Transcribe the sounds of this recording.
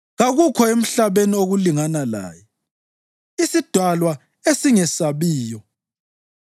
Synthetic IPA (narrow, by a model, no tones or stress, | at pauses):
ɣaɣukʰɔem̩ɬaβenioɣuliŋanala̰ːjɛ | isid̥ʱwalwa | esiŋɛsaβiːjɔ